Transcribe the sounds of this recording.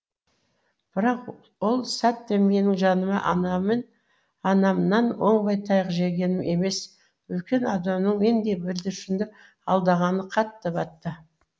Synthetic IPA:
b̥ɪɾɑq | wolˠsæt̪ːemme̞nɪŋʒɑnəmɑʔ̪n | ɑnɑmnɑnwo̞̰ɴbɑjt̪ʰɑjəqʒe̞ɡʲe̞nɪme̞me̞s | wɵlkʲe̞nɑd̪ɑmnəɴjend̪e̞bɪld̪ɪʃɪnd̪ɪ | ɑlˠd̪ɑʁɑnəqʰɑt̪ːəbɑt̪ːə

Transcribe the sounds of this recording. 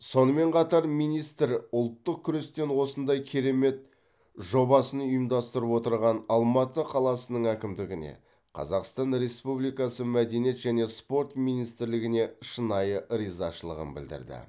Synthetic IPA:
so̞nəme̞ɴqʰɑt̪ɑɾmijnijst̪ɪɾʊlˠt̪ːəq̚kʲʰʏɾe̞st̪e̞nwo̞sənd̪ɑjkʲʰe̞ɾe̞me̞t̪ | ʒo̞bɑsənʊjəmd̪ɑst̪əɾəpwo̞t̪əɾʁɑnɑlˠmɑt̪əqʰɑlˠɑsənəɴækʲɪmd̪ɪɡʲɪne̞̰ | qʰɑ̰zɑqst̪ɑnɾe̞spublˠijkɑsəmæd̪e̞nije̞t̪ʒæne̞spo̞ɾt̪mijnijst̪ɪɾlɪɡʲɪne̞ʃənɑjəɾizɑʃəlˠə̰ʁə̰nbɪ̰ld̪ɪ̰ɾd̪ɪ̰

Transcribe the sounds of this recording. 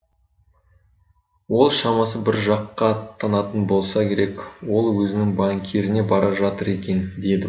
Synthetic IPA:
wo̞lˠʃɑmɑsəbɪɾʒɑqːɑt̪ʰːɑnɑt̪ənbo̞lˠsɑkʲʰe̞ɾe̞kwo̞lˠwɵzɪnɪŋbɑŋkʲʰeɾɪne̞bɑɾɑʒɑt̪əɾe̞kʲe̞nd̪e̞d̪ɪ

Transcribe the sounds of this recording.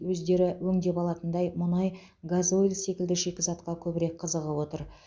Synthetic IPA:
wɵzd̪e̞ɾɪwɵŋd̪e̞pɑlˠɑt̪ənd̪ɑjmʊnɑj | ɡazoilse̞kʲɪld̪ɪʒe̞kʲɪzɑt̪qɑkʲʰɵbɪɾe̞k̚qʰəzəʁəwo̞t̪əɾ

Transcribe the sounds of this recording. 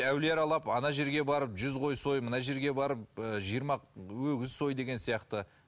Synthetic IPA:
æwleɾɑlˠɑpɑnɑʒe̞ɾɡʲe̞bɑɾəpʒʏzʁo̞jso̞jmənɑʒe̞ɾɡʲe̞bɑɾəp̚əʒijɾmɑwɵɡʲɪzso̞jd̪e̞ɡʲensijɑqt̪ə

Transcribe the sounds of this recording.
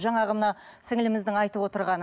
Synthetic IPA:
ʒɑɴɑʁəmnɑsɪŋɪlɪmɪzd̪ɪŋɑjt̪əpwot̪əɾʁɑn

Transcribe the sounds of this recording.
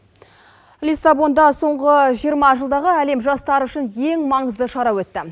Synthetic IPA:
lʲisɑbo̞nd̪ɑso̞ɴʁəʒijəɾmɑʒəlˠd̪ɑʁəæle̞mʒɑst̪ɑɾəʏʃɪnje̞ŋmɑɴəzd̪əʃɑɾɑwɵt̪ːɪ

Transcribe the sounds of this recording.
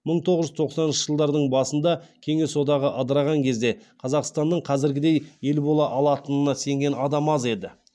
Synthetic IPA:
məɴt̪ʰo̞ʁəzʒʏzt̪ʰo̞qsɑnənʃə̥ʒəlˠd̪ɑɾd̪əɴbɑsənd̪ɑkʲʰe̞ŋe̞so̞d̪ɑʁəʔɑd̪əɾɑʁɑŋkʲʰe̞zd̪e̞qʰɑzɑqst̪ɑnːəɴqʰɑzɪɾɡʲɪd̪e̞je̞lbo̞lˠɑʔɑlˠɑt̪ənənɑse̞ŋɡʲe̞nɑd̪ɑmɑze̞d̪ɪ

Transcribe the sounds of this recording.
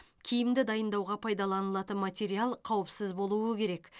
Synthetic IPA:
kʲʰijɪmd̪ɪd̪ɑjənd̪ɑwʁɑpʰɑjd̪ɑlˠɑnəlˠɑt̪ənmat̪ʲe̞ɾialˠqʰɑwəpsɪzbo̞lˠuəkʲʰe̞ɾe̞k

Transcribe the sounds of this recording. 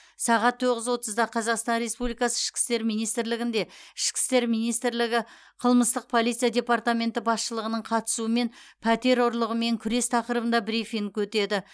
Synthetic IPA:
sɑʁɑt̪ʰːoʁəzwo̞t̪əzd̪ɑqʰɑzɑqst̪ɑnɾe̞spublijkɑsəɪʃkʲɪ̥st̪e̞ɾmijnijst̪ɪɾlɪɡʲɪnd̪e̞ɪʃkʲɪ̥st̪e̞ɾmijnijst̪ɪɾlɪɡʲɪ | qʰəlˠməst̪əq̚pʰo̞lˠijt̪sɨjad̪ʲe̞pɑrt̪amʲe̞nt̪ɪbɑsʃəlˠəʁənəɴqʰɑt̪ə̥suəme̞n | pʰæt̪e̞ɾʊɾlˠəʁəme̞ŋkʲʰʏɾe̞st̪ʰɑqəɾəbənd̪ɑbɾifiŋkwɵt̪e̞d̪ɪ

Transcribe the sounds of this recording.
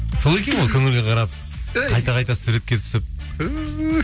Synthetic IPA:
so̞lˠe̞kʲenolˠkʲʰɵŋɪlɡʲeqʰɑɾɑp̚ | qʰɑjt̪ɑqʰɑjt̪ɑsuɾe̞t̪̚kʲe̞t̪ʰʏ̥sɪp̚

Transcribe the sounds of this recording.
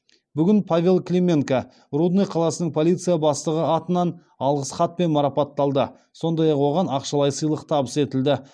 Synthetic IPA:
bʏɡʲɪnpʰavʲe̞lˠklʲemʲe̞ŋka | rud̪nejqʰɑlˠɑsənəɴpʰo̞lˠijt̪sɨjabɑst̪əʁəɑt̪ənɑn | ɑlˠʁəsχɑt̪̚pe̞nmɑɾɑpɑt̪ːɑlˠd̪ə | so̞nd̪ɑjɑqwo̞ʁɑnɑqʃɑlˠɑjsəjlˠəqt̪ʰɑbəse̞t̪ɪld̪ɪ

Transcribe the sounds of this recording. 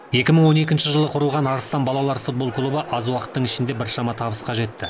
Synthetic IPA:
je̞kʲɪməɴwo̞ne̞kʲɪnʃɪʒəlˠəqʰʊɾəlˠʁɑnɑɾəst̪ɑnbɑlˠɑlˠɑɾfut̪̚bo̞lˠklˠubəʔɑzwɑqə̥t̪ːəɴɪʃɪnd̪e̞bɪɾʃɑmɑt̪ʰɑβəsqɑʒe̞t̪ːɪ

